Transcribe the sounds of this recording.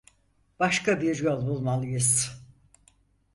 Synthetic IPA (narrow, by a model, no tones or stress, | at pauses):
b̥aʃkabiɾjo̞lˠbulˠmalˠɯjɯz̥